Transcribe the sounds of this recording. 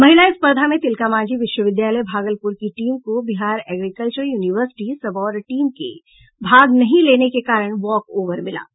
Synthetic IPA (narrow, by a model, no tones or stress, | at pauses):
mɐɦɪlaːispəɾd̪ʱamẽt̪ɪlkamãːd͡ʒiʋɪʃwəʋɪd̪jaːləjbʱaːɡəlpʊɾkiʈiːmkobɪɦaːɾɛːɡɾikəlt͡ʃəɾjuːniʋəɾsɪ̥ʈisɐbɔːɾʈiːmkḛ | bʱaːɡnɐɦĩleːnekekaːɾəɽ̃ʋɔːkoːʋəɾmɪla̰ː